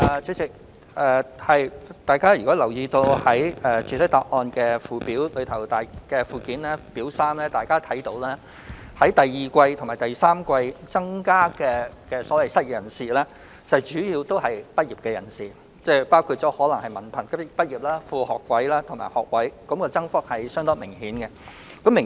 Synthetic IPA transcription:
ʔɛː˨˧t͡sʰy˨˧sɪ˨k̚ | ʔɛː˨˧hɐ˨jt̪aː˨jkaː˥jy˨˩kɔː˨˥lɐ˨˩wjiː˧t̪o˧whɐ˨˥jɛː˨t͡ʃʰyː˨t̪ʰɐ˥t̪aː˧k̚ʔɔː˧nkɛː˧fuː˨piː˨˥wlɵ˨˧t̪ʰɐ˨˩wt̪aː˨jkɛː˧fuː˨kiː˨˥nlɛː˥piː˨˥wsaː˥mlɛː˥t̪aː˨jkaː˥t̪ʰɐ˨˥jt̪o˨˧˥wlɛː˥ | hɐ˨˥jt̪ɐ˨jːiː˨kʷɐ˧jt̪ʰo˨˩maː˨˩t̪ɐ˨jsaː˥mkʷɐ˧jt͡sɐ˥ŋkaː˥kɛː˧kɛː˧sɔː˨˥wɐ˨˧jsɐ˥t̚kːjɐ˨˩nsiː˨˩lɛː˥˨ | sɐ˨˩t͡ʃyː˨˥jiː˧wt̪o˥whɐ˨jpɐ˥t̚jiː˨p̚kɛː˧jɐ̰˨˩nsiː˨ | t͡sɛ˥˩paː˥wkʰu˧t̚t͡ʃɔː˨˥hɔː˨˥lɐ˨˩ŋhɐ˨jmɐ˨˩npʰɐ˨˩nkɐ˥˨pɐ˥t̚jiː˨˩p̚laː˥fuː˧hɔː˨kːwɐ˨˥jlaː˥t̪ʰʊ˨˩ŋma̰ː˨˩jhɔː˨k̚wɐ˨˥jkɐ˨˧˥mkɔː˧t͡sɐ˥ŋfɔː˥k̚hɐ˨jsœː˥ŋt̪ɔː˥mɪ˨˩ŋhiː˨˥nkɛ˧ | kɐ˨˥mːɪ˨˩

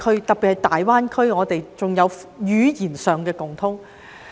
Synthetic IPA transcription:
kʰɵ˥t̪ɐ˨k̚pːi˨t̚hɐ˨˩jt̪aː˨jwaː˥nkʰɵ˥ɥŋɔː˨˧t̪e˨jt͡sʊ˨ŋjɐ˨˧wjyː˨˥jiː˨˩nsœː˨˩ŋkɛː˧kʊ˨˩ŋt̪ʰʊ˧˥ŋ

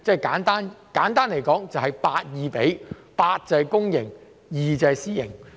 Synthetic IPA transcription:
t͡sɛ˥˨jkaː˨˥nt̪aː˥nkaː˨˥nt̪aː˥nle˨˩jkɔː˨˥ŋt͡sɐ˨whɐ˨jpaː˧t̚jiː˨˧pe˨˥jpaː˧t̚t͡sɐ˨˧˨jkʊ˥ŋjɪ˨˩ŋ | jiː˨t͡sɐ˨˧˨siː˥jɪ̰˨˩ŋ

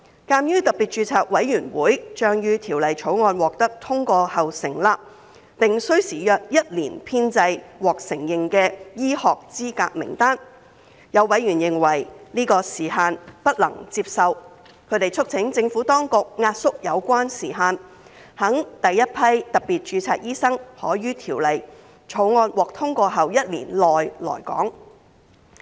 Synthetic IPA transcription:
kaː˧mjyː˥t̪ɐ˨˩piː˨t̚t͡ʃyː˧t͡sʰaː˨˩k̚wɐ˨˥jjyː˨˩nwuː˨˥jt͡ʃœː˧ŋjyː˧t̪ʰiː˨˩wlɐ˨jt͡ʃʰo˨˧˥wŋɔː˧nwɔː˨k̚t̪ɐ˥k̚t̪ʰʊ˥ŋkʷɔː˧hɐ˨wsɪ˨˩ŋlaː˧ | pɪ˨ŋsɵ˥ɥsiː˨˩jœː˨˧k̚jɐ˥t̚liː˨˩npʰiː˥nt͡sɐ˧jwɔː˨k̚sɪ˨˩ŋjɪ˨ŋkɛː˧jiː˥hɔː˨k̚t͡siː˥kaː˧k̚mɪ̰˨˩ŋt̪aː˥n | jɐ˨˧wːɐ˨˧˥jɥyː˨˩njɪ˨ŋwɐ˨˩jliː˥kɔː˧siː˨˩ɦaː˧npɐ˥t̚lɐ̰˨˩ŋt͡siː˧p̚sɐ˨w | kʰɵ˨˧˥t̪e˨jt͡ʃʰɵ˥k̚t͡sʰɪ˨˥ŋt͡sɪ˧ŋfu˨˥t̪ɔː˥ŋkʊ˨k̚ŋaː˧t̚sʊ˥k̚jɐ˨˧wkʷaː˥nsiː˨˩ɦaː˧n | hɐ˨˥ŋt̪ɐ˨jːɐ˥t̚pʰɐ˥jt̪ɐ˨k̚piː˨t̚t͡ʃyː˨˧t͡sʰa̰ː˧˥k̚jiː˥sɐ˥ŋhɔː˨˥ɥyː˥t̪ʰiː˨˩wlɐ˨j | t͡sʰo˨˥wŋɔː˧nwɔː˨˩k̚t̪ʰʊ˥ŋkʷɔː˧ɦɐ˨wjɐ˥t̚lḭ˨˩nlɔː˨jlɔ̰ː˨˩jkɔ̰ː˨˥ŋ

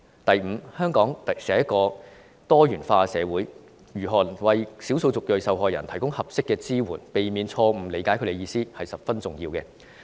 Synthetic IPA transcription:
t̪ɐ˨jm̩˨˧hœː˥ŋkɔː˨˥ŋt̪ɐ˨sɛː˨˥jɐ˥kːɔː˧ | t̪ɔː˥jyː˨˩nfaː˧sɛː˨˧wuː˨˥j | ɥyː˨˩ɦɔː˨˩nwɐ˨jsi˨˥wso˧wt͡sʊ˨k̚jɵ˨ɥsɐ˨wɦɔː˨˩jɐ˨˩nt̪ʰɐ˨˩jkʊ˥ŋhɐ˨p̚sɪ˥kːɛː˧t͡siː˥wuː˨˩npe˨jmiː˨˧nt͡sʰɔː˧m̩˨˩le˨˥jkaː˨˥jkʰɵ˨˧de˨˧jiː˧siː˥hɐ˨jsɐ˨p̚fɐ˥nt͡sʊ˨ŋjiː˧wkɛ̰˧

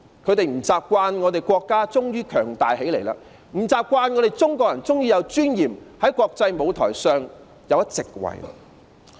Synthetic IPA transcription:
kʰɵ˨˧t̪e˨jm̩˨˩t͡saː˨p̚kʷaː˧nŋɔː˨˧t̪e˨˩jkʷɔː˧kːaː˥t͡sʊ˥ŋjyː˥kʰœː˨˩ŋt̪aː˨jɦe˨˥jle˨˩jla̰ː˧ | m̩˨˩t͡saː˨˧p̚kʷaː˧nŋɔː˨˧ɾe˨jt͡sʊ˥ŋkʷɔː˧k̚jɐ˨˩nt͡sʊ˥ŋjiː˧jɐ˨˧wt͡ʃyː˥njiː˨˩mhɐ˨˥jkʷɔː˧k̚t͡sɐ˧jmo˨˧wt̪ʰɔ̰ː˨˩jsœː˨˧ŋ | jɐ˨˧wjɐ˥t̚t͡sɪ˨k̚wɐ̰˨˩j

